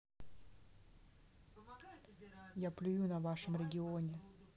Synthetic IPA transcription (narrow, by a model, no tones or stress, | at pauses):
japlʲʊjunɐvaʂɨmɾʲɪɡʲɪonʲɪ